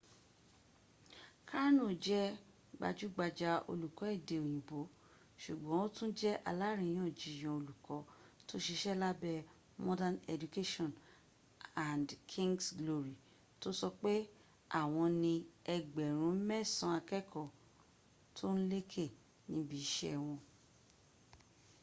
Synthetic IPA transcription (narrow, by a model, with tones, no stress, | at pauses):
ka˦ɾnõ˦˨d͡ʒɛ˦ | ɡ͡ba̰˧d͡ʒu˦ɡ͡ba˧d͡ʒa˧o̰˧lu˨kɔ˨˦ɛ˦˨de˨o˨j̃ĩ˨bo˨˦ | ʃu˨ɡ͡bɔ̃˨˦o˦tũ˦d͡ʒɛ˦ʔa̰˨˧la˦ɾĩ˧˨j̃ɔ̃˦˨d͡ʒi˨j̃ɔ̃˨o˧lu˨kɔ˨˦to˦ʃe˧ʃɛ˦la˦bɛ˧ | mɔ̃˦dã˦nɛ˧du˨ke˦ʃɔ̃˦˨n | a˨ndkʰĩ˦ŋɡsɡlo˧ɾi˨ | to˦sɔ˧k͡pe˦ | a̰˦˨w̃ɔ̃˧nĩ˧ɛ˧ɡ͡bɛ˨ɾ̃ũ˨˦mɛ̃˦˨sã˧a˧kɛ˦˨kɔ˦˨ | tʰo˦n̩˦le˦kʰe˦˨ | nĩ˧˦bi˨˦ʃɛ˦ɛ˨w̃ɔ̃˧